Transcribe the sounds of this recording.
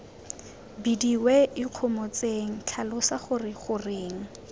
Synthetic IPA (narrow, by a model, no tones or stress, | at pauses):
bidiweɪq͡χʰʊmɔt͡seŋ̩t͡ɬʰalʊsaχʊrɪχʊreːŋ̩